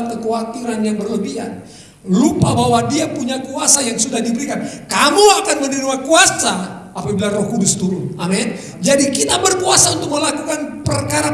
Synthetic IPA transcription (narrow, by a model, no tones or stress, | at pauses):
t̪̚kəkoat̪iɾanjaŋbərləbia̰ | lupabawadiapuɲakuasajaŋsudahdibəɾikankamuakanməninumakuasaapabilarɔhkudʊst̪uɾʊnamɛn | d͡ʒadikit̪abərkuasaunt̪ʊk̚məlakukanpərkaɾa